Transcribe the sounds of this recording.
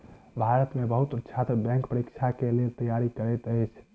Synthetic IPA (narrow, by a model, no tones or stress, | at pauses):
bʱaɾət̪mebəɦut̪ətːt͡ʃʰat̪əbɛ̃ŋkpəɾikt͡ʃʰakelelt̪əjaɾikəɾɛt̪əjt͡ʃʰ